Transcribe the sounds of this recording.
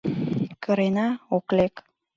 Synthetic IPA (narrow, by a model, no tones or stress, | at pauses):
kʰə̆ɾenɑoklek